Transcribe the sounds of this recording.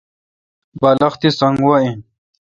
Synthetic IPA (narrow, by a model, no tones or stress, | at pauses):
bɐlɐxt̪isɐŋɡɡwaĩ